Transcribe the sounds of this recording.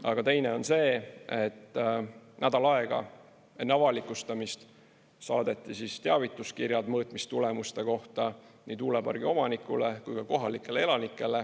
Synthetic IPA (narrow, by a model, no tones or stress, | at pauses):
ɑɡ̥ɑt̪e̞jne̞o̞nse̞ːe̞t̪ːˑ | næd̪ɑlɑeɡ̥ɑ̰ | enɑvɑlikˑust̪ɑmist̪ | sɑːd̪̥e̞t̪ˑːisist̪eɑvit̪ːˑuskirjɑd̪mɤːt̪mist̪ule̞must̪e̞ko̞ht̪ɑniːt̪uːlebɑ̰rɡ̥io̞mɑnikːˑṵle̞kujkɑko̞ɦɑlikːˑe̞lee̞lɑnikːˑe̞le